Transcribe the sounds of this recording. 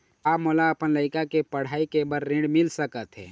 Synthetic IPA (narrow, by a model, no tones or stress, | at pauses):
aːpmolaəpənləɪkakepəɽ̤aːikebəɾɾẽɳɖmɪlsəkət̪ɦɛ̰ː